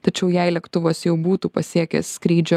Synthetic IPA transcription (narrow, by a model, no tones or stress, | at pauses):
t̪ɐt͡ʃʲɛʊjɛɪlʲiɛkt̪ʊʋoːsjɛʊbuːt̪uːpɐsʲiɛkʲḛskɾʲiːd͡ʒʲo